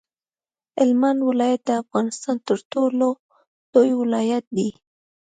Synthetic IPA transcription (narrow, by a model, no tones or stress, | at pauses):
ɪlmanwɪlɑjat̪̚d̪əafɣɑnɪst̪ɑnt̪əɾʈolo | d̪̥ojwɪlɑjat̪̚d̪i